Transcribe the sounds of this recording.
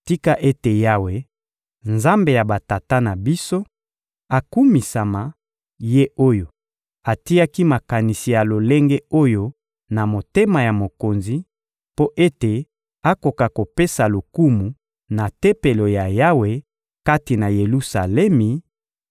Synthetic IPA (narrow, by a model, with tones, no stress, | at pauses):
ti˦ka˦ʔe˦te˨ja˦we˨ | nza˦mbe˨ja˨ba˨ta˨ta˦na˨bi˦so˦ | a˨ku˦mi˨sa˨ma˨ | je˦o˦jo˨ | a˨ti˦ja˦ki˦ma˨ka˨ni˨si˨ja˨lo˨le˦ŋɡe˦o˦jo˦ | na˨mo˨te˦ma˨ja˨mo˨ko˨nzi˦ | po˦ʔe˦te˨ | a˦ko˨ka˨ko˨pe˦sa˨lo˨ku˦mu˨ | na˨te˦pe˨lo˨ja˨ja˦we˨˦ | ka˦ti˨na˨je˨lu˦sa˨lɛ˦mi˨